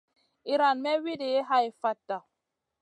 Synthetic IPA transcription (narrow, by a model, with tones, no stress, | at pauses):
i˨ɾa˨nmɛ˦wi˦de˨e˦ɦa˦i˨fa˦tːa˨